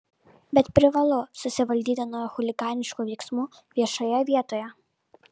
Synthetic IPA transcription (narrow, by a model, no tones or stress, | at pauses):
bʲɛt̪pʲɾʲɪʋɐlˠʊsʊsʲɪʋɐlʲd̪ʲiːd̪ɐnɔjɔxʊlʲɪɡɑːnʲɪʃkuʋʲɛɪksmu | ʋʲiɛʃɐjɛʋʲiɛt̪ɔːjɛ